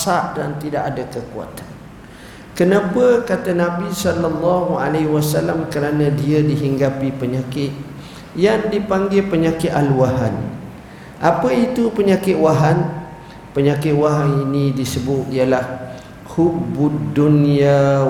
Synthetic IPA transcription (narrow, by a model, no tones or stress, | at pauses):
saʔdant̪idaʔadakəkua̰t̪ḁn | kənãpəkat̪anãbisɔlalːaɦua̰lewasalamkəɾanãdiədiɦiŋɡapipəɲakɪt̪̚ | jaŋdipaŋɡɪpəɲakɪt̪aluwaɦan | ʔapəit̪upəɲakɪt̪̚waɦan | pəɲakɪt̪̚waɦaninĩdisəbʊt̪̚ijalah | hubudunia